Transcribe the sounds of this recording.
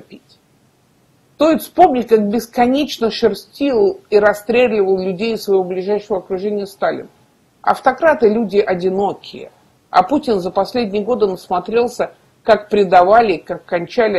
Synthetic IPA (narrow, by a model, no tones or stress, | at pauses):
pʲit̚ʲ | t̪ojʲspo̞mnʲɪtʲkak̚bʲɪskɐnʲet͡ɕnəʂɨrsʲtʲilˠiɾɐst̪ɾʲeɡlʲɪvəlˠlʲʉdʲejɪsvɐjvoblʲɪʐajʂəvəɐkɾʊʐɛnʲɪjəst̪alʲɪ̰nə | ɐ̰ft̪ɐkɾat̪ɨlʲudʲɪʔɐdʲɪno̞kʲɪjə̰ | ɐ̰putʲɪnzəpɐsʲlʲedʲnʲɪjəɡo̞d̪ɨnəsmɐt̪ɾʲe̞lˠsʲə | kak̚pɾʲɪd̪ɐvalʲɪkakːɐnʲt͡ɕalʲɪ